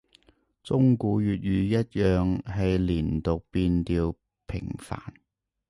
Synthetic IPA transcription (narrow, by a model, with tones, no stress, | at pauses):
t͡sʊ˥ŋkuː˧ɥyː˨t̚jyː˨˧jɐ˥t̚jœː˨ŋɦɐ˨jliː˨˩nt̪ʊ˨k̚piː˧nt̪iː˧w | pʰɪ̰˨˩ŋfa̰ː˨˩n